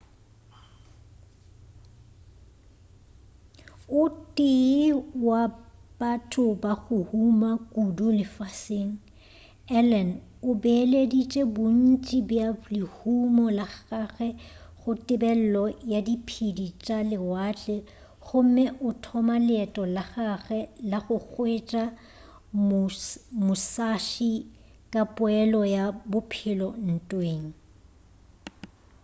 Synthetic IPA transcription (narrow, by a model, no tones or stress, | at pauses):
ʊtʼɪwab̥atʰʼʊbaɣʊhumakʼudulɪfaseːŋ̩ | ɛlɛnʊbɛledit͡ʃʼebʊn̩t͡ʃʼibjalɪhumɔlaχkʼaɣɛχʊtʼɪbɛl̩lɔjadipʰidit͡ʃʼalɪwat͡ɬʼɛ | ɣʊm̩mɛʔʊtʰɔmalɛtʼɔlaχaɣɛlaχʊk͡xwet͡ʃʼa | mʊsaʃikʼapʼʊɛlɔjabʊpʰɪlɔn̩tʼweːŋ̩